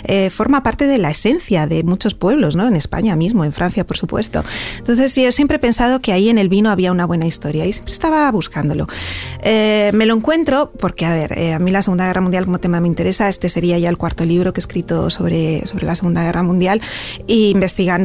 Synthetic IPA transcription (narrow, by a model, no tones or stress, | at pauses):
efo̞ɾmapaɾt̪e̞ðe̞lae̞se̞n̟θjaðe̞mut͡ʃo̞spwe̞β̞lo̞zno̞ene̞spa̰ɲamizmo̞e̞ɱfɾʔan̟θjapo̞ɾsupwe̞̰st̪o̰nt̪o̞nθe̞siosjempɾe̞pe̞nsað̞o̞keaie̞ne̞lβinoaβ̞iaunaβ̞we̞naist̪o̞ɾjaisjempɾest̪aβaβuskand̪o̞̰lo̞̰eme̞lo̞eŋkwe̞nt̪ɾo̞po̞ɾke̞aβe̞ɾḛamilase̞ɣund̪aɣeramũnd̪jalko̞mot̪e̞mame̞int̪e̞ɾe̞sae̞st̪e̞se̞ɾiaʝae̞lkwaɾt̪o̞liβ̞ɾo̞keskɾit̪o̞so̞βɾeso̞βɾe̞lase̞ɣ̞und̪aɣ̞e̞ramũnd̪jaliːmbe̞st̪iɣand̪